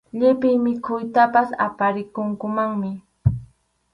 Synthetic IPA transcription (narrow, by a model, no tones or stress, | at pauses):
ʎɪpɪjmɪkʰʊjt̪apasa̰paɾɪkʊŋkʊmaŋmɪ